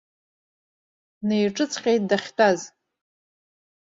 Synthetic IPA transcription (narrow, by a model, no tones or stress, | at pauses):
nejʈ͡ʂʼɨt͡sʰqʲejt̚ʼdaχʲtʰʼaz